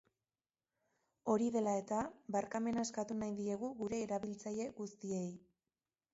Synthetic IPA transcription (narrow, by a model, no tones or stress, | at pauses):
o̞ɾiðe̞lae̞t̪aβaɾkame̞nae̞skat̪unajðie̞ɣ̞uɣuɾe̞ːɾaβilt͡saje̞ɣust̪ie̞j